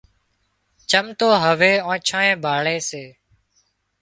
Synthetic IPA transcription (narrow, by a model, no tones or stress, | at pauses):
t͡ʃəmt̪oːɦəʋeːõːt͡ʃʰãːẽːbʱaːɭeːseː